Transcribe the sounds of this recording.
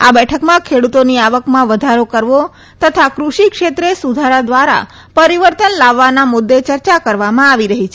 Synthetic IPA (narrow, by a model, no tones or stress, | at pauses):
a̰bɛʈʰəkmãkʰeɽut̪oniaʋəkmãʋəd̪ʱaɾokəɾʋo | t̪ət̪ʰakɾuʃikʃet̪ɾesud̪ʱaɾad̪ʋaɾa̰ | pəɾiʋəɾt̪ənlaʋːanamʊd̪ːet͡ʃəɾt͡ʃakəɾʋamãaʋiɾəɦit͡ʃʰe